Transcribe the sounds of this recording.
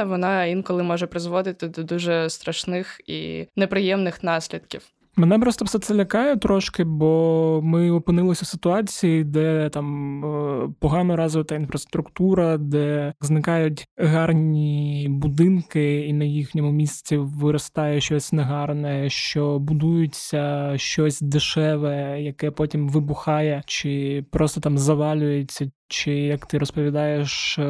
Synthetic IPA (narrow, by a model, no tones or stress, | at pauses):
ʋɔnɑinkɔlˠɪmɔʒɛpɾɪzʋɔd̪ɪt̪ɪd̪ɔd̪uʒɛst̪ɾɐʃnɪxḭnɛpɾɪjɛmnɪxnɑsʲlʲid̪kʲiw | mɛnɛpɾɔst̪ɔfsɛt̪sɛlʲɐkɑjɛt̪ɾɔʃkɪbɔmɪɔpɪnɪlˠɔsʲɐsɪt̪ʊɑt͡sʲijid̪ɛt̪ɑm | pɔɦɑnɔɾɑzɔʋɪt̪ɐin̪fɾɐst̪ɾʊkt̪uɾɐd̪ɛznɪkɑjʊtʲɦɑrnʲibʊd̪ɪnkɪinɐjixnʲɔmʊmʲisʲt͡sʲiʋɪɾɔst̪ɑjɛʃt͡ʃɔsʲnɛɦɑrnɛʃt͡ʃɔbʊd̪ujʊt͡sʲːɐʃt͡ʃɔsʲd̪ɪʃɛʋɛjɐkɛpɔtʲimʋɪbʊxɑjɛt͡ʃɪpɾɔst̪ɔt̪ɑmzɐʋɑlʲʊjet͡sʲːɐt͡ʃɪjɐkt̪ɪɾɔspɔʋʲid̪ɑjeʃ